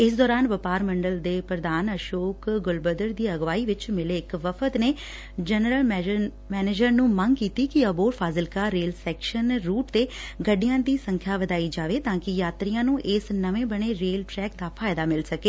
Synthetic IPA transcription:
ɪsd̪ɔːɾaːnʋəpaːɾməɳɖəld̪eːpɾəd̪aːnəʃoːkɡʊlbəd̪əɾd̪iːəɡʋaːiːʋɪt͡ʃmɪleːɪkʋəfʰət̪neː | d͡ʒənɾəl | mɛːneːd͡ʒəɾnũːməŋɡkiːt̪iːkɪəboːɾpʰaːzəlkaːɾeːlsɛːkʃənɾuːʈt̪eːɡəɖɪjãːd̪iːsə̃ŋkʰjaːʋəd̪aːiːd͡ʒaːʋeːt̪ãːkɪjaːt̪ɾijãːnũːʔɪsnəʋẽːbəɳ̃eːɾeːlʈɾɛːkd̪aːpʰaːɪd̪aːmɪlsəkeː

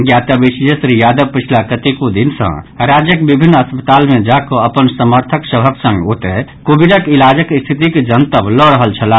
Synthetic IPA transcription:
ɡjat̪əbisijəsɾijad̪əʋpət͡ʃʰilakət̪ikod̪insə̰̃ɾad͡ʒjəkbibʱinːəspət̪almẽd͡ʒakɔəpənsəməɾt̪ʰəksəbʱəksə̃ŋɡot̪ekobiɖəkilad͡ʒəkst̪ʰit̪iked͡ʒənt̪əblɔɾəɦəlt͡ʃʰəla

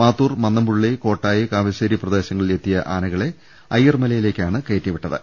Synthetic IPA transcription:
maːt̪ːuːrmɐnːɐmbuɻɭeko̞ːʈːaːjikaːʋɐɕɐːɾiprɐd̪e̞ːɕɐŋːɐɭile̞t̪ːijɐʔaːnɐɣɐɭe̞ | ɐjːɐrmɐlɐjile̞ːkʲːaːɳɨke̞ːtːɐʋiʈːɐðɨ̰

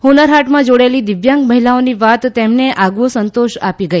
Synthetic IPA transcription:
hunəɾɦaʈmãd͡ʒoɽaelid̪ɪʋjãŋkməɦilaoniʋat̪ːemneʔaɡʋosənt̪oʃapiɡəi

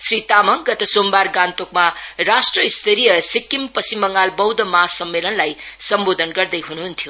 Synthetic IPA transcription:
sɾit̪amɐŋɡɐt̪ɐsombaɾɡant̪okmaɾasʈɾʌist̪ʰeɾijʌsikːimpʌsimbʌŋalbʌwd̪ɐmasʌmːelʌnlajsʌmbod̪ʱənɡʌɾd̪ɐjɦunɦunt̪ʰiju

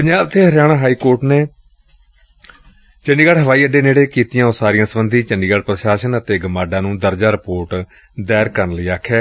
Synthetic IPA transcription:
pəɲd͡ʒaːb̚t̪ʰeːɦəɾjaːɽ̃ãːɦaːiːkoːɾʈneː | t͡ʃəɳɖiːɡaːɽɦəʋaːiːəɖːeːneːɽeːkiːt̪ɪjãːoːsaːɾijãːsəbənd̪ʱĩːt͡ʃəɳɖiːɡaːɽpɾəʃaːʃənət̪eːɡəmaːɖãːnũːd̪əɾd͡ʒaːɾɪpoːɾʈ | d̪ɛːɾkəɾnləiːaːkʰːjɛː

